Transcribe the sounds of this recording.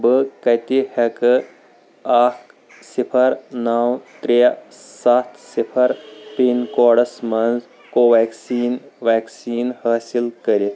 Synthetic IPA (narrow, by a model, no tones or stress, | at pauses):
bəkɐt̪ihɐkɨ | aːk | sipʰɐɾnawt̪ɾejasat̪ʰsipʰɐɾpenkoːɽɐsmɐnz | koːʋaːksiːnʋaːksiːnhaːsilkəɾi